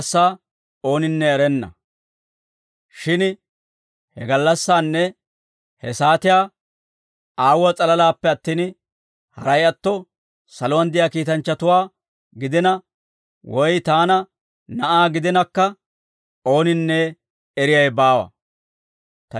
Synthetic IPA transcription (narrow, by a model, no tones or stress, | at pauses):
sːaː | o̞ːnɪnːɛːɾɛnːɐ̰ | ʃɪn | hɛɡɐlːɐsːaːnːɛ | hɛsaːt̪ɪjaː | aːwɐt͡sʼɐlɐlaːpːɛɐt̪ːiːn | hɐ̰ɾɐjɐt̪ːɔ | sɐlowɐnd̪ɪjaːkiːt̪ɐnt͡ʃːɐt̪ʊwaː | ɡɪd̪ɪnɐ | wɔjt̪aːnɐ | nɐʔaːɡɪd̪ɪnɐkːɐ | o̞ːnɪnːɛ | ɛɾɪjɐjbaːwɐ̰ | t̪ɐ